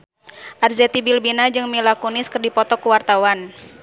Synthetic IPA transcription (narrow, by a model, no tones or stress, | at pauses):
ʔarzɛt̪ibilbinad͡ʒɨŋmilakunɪskɨrdipɔt̪ɔkuwart̪awan